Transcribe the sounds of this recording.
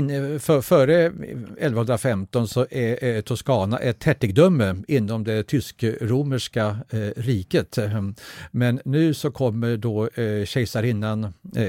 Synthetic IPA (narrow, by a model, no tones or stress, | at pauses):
fœfœːɾəɛlvahɵnd̪ɾafɛmt̪ɔnsɔʔɛt̪ʰʊʂkɑːna̰ʔɛt̪hɛʈːɪɡd̪œmːəɪnːɔmd̪ɛt̪ʰʏskɾuːməʂkaɾiːkət̪ | mɛnːʉ̟ːsɔkʰɔmːəɖoɕɛɪsaɾɪnːan